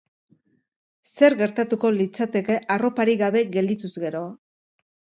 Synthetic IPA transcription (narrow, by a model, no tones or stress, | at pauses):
se̞ɾɣe̞ɾt̪at̪uko̞lit͡sat̪e̞ke̞ʔaro̞paɾiɣaβe̞ɣe̞ld̪it̪uzɣe̞ɾo̞